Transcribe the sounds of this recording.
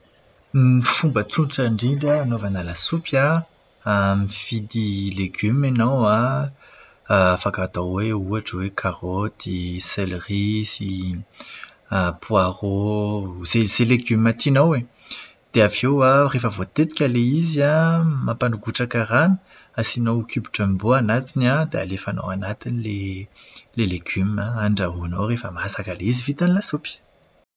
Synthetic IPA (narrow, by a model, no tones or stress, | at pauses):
mifumbət͡sunʈ͡ʂaɳɖ͡ʐiɳɖ͡ʐaːnovanalasupja | mifid̪ileɡymenowa | fakat̪awweuaʈ͡ʂəwekʰaʁot̪ʰiselʁisi | pʰwaʁo | zezeleɡymat̪inowe | d̪̥eavewarefəvot̪et̪i̥kʲaleiziamapanuɡuʈ͡ʂakaranə̥ | asinokybiʈ͡ʂamboanat̪inad̪ea̰lefano̰anat̪inile | leleɡymaaɳɖ͡ʐaɦunowrefəmaasakaleizivit̪anilasupi̥